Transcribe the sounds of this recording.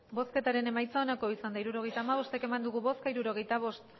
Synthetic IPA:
bo̞ske̞t̪aɾe̞ne̞majt͡saonako̞isand̪aiɾuɾo̞ɣe̞jt̪aːmaβ̞o̞st̪e̞ke̞mand̪uɣ̞uβo̞skaiɾuɾo̞ɣe̞jt̪aβ̞o̞st̪

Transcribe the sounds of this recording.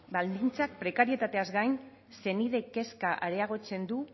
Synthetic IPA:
bald̪int͡sak̚pɾe̞kaɾie̞t̪at̪e̞azɡajn | se̞niðe̞ke̞skaʔaɾe̞aɣ̞o̞t͡se̞nd̪u

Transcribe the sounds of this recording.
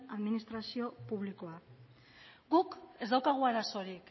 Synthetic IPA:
aðminist̪ɾasio̞puβliko̞a | ɡuke̞zd̪awkaɣ̞uaɾaso̞ɾik

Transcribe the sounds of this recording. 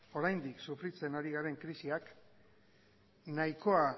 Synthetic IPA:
o̞ɾajnd̪iksufɾit͡se̞naɾiɣaɾe̞ŋkɾisiak | najko̞a

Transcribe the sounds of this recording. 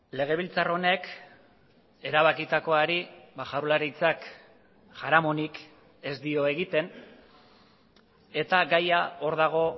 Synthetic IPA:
le̞ɣ̞e̞β̞ilt͡saro̞ne̞k | e̞ɾaβakit̪ako̞aɾibaʝawɾlaɾit͡sak | ʝaɾamo̞nik | e̞zd̪io̞e̞ɣit̪e̞n | e̞t̪aɡajao̞ɾð̞aɣ̞o̞

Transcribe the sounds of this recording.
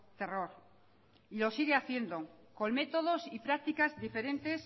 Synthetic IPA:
t̪e̞ro̞ɾ | ilo̞siɣeaθje̞nd̪oko̞nme̞t̪o̞ð̞o̞sipɾak̚t̪ikazðife̞ɾe̞nt̪e̞s

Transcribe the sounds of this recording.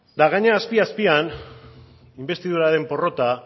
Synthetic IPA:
d̪aɣaɲeaːspiaspian | imbe̞st̪ið̞uɾaɾe̞mpo̞ro̞t̪a

